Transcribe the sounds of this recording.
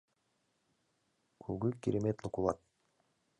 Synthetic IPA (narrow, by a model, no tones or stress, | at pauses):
kʰuɡykiɾemet̪lˠukulˠat̪̚